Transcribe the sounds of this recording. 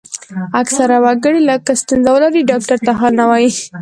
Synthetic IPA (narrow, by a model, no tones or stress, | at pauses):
aksaɾawaɡəɽiləkast̪unzawəlaɾiɖɑk̚ʈaɾt̪aɦɑlnawɑji